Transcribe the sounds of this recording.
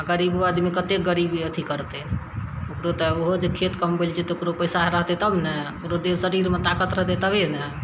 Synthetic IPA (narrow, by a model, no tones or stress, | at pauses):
aɡəɾiboad̪mikət̪ekɡəɾibiət̪ʰikəɾt̪e | okɾot̪əoɦod͡ʒekʰet̪kəmbelt͡ʃʰɛt̪okɾopəjsaɾəɦt̪ɛt̪əbnɛokɾod̪esəɾiɾmet̪akət̪ɾəɦt̪et̪əbenɛ